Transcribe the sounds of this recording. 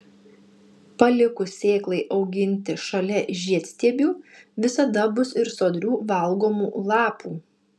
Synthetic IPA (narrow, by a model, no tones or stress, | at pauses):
pɐlʲɪkʊsʲeːklˠɐɪʔɒʊɡʲɪnʲt̪ʲɪʃɐlʲɛʒʲiɛt̪ʲsʲt̪ʲiɛbʲuːʋʲɪsɐd̪ɐbʊsɪɾsoːd̪ʲɾʲuːʋɐlˠɡoːmuːlˠɑːpuː